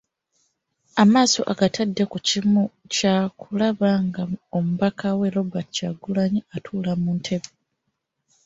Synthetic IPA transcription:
amaːso̞̰ʔaɡatʰadːe̞kucimu | cakulaβaŋɡao̞muβakʰawe̞lo̞bacaɡulaɲiatʰuːlamuːntʰe̞βe

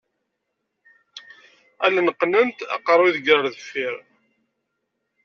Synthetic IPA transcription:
ælnqːnənt̪ɑ̰qəɾˤiðɡəɾˤðəfiɾ

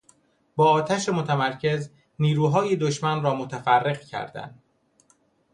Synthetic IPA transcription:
bɒːt̪ʰæʃemot̪ʰæmæɾcʰe̞z | niːɾuːɦɒːjed̪oʃmænrɒːmot̪ʰæfærːe̞ɣcʰæ̰ɾd̪æ̰nd̪̥

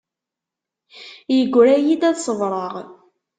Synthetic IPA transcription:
jəɡʷːɾæjid̪æðsˤəvɾˤəʁ

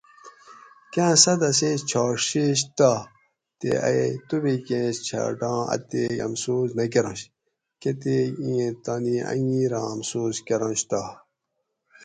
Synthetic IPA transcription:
kæ̃ːsɐd̪ɐsẽːst͡ɕʰaːʂeɕ̬t̪a | t̪ḛa̰et̪ubikẽːst͡ɕʰa̰ɖɑ̃ːɐ̰t̪eɐ̰msuːznɐk̬eɾõɕ | ket̪eːĩẽt̪aniɐ̰jĩːɾãːɐmsuːzkeɾɐ̃ɕt̪a

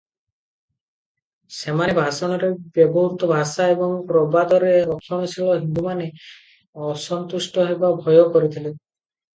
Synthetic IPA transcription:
semanebʱasɔnɔɾebjɔbɔɦut̪ɔbʱasaebɔŋpɾɔbad̪ɔɾeɾɔkʰːjɔñɔsʰilɔɦind̪umane | ɔsɔnt̪usʈɔɦebabʱɔjɔkɔɾit̪ʰile

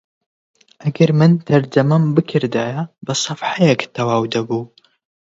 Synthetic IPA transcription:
ʔɐɡɐɾmɨnt̪ʰɐɾd͡ʒɐmɐmbɨkʰɨɾd̪ajɐbɐsˤɨfħajɛkt̪ʰɐwaːwd̪ɐbuː

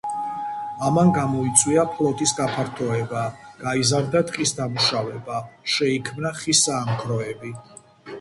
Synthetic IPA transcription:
amanɡamɔit̪sʼʰwiapʰlˠɔt̪ʼisɡapʰaɾt̪ʰɔɛbaɡ̥aizaɾd̪at̪ʼqʼisd̪amuʃavɛbaʃɛikʰmnaχisaːmkʰɾɔɛbi

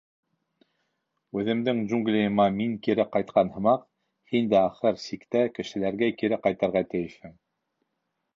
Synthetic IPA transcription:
ʉðɘ̆md̪ɘŋʒuŋɡlʲijɤ̆mɑmiŋkiɾɘqɑjt̪̚qʰɑnhɤ̆mɑq | hind̪æɑχɤɾsikt̪ækɘ̆ʃɘ̆læɾɡækiɾɘqɑjt̪ɑɾʁɑt̪ɘ̆jɘʃhɘŋ

